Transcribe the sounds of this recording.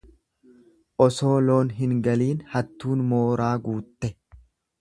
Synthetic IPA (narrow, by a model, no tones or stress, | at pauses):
ʔɔso̞ːlo̞ːnɦɪŋɡɐliːnhɐt̪ːuːnmoːɾaːɡuːt̪ːɛ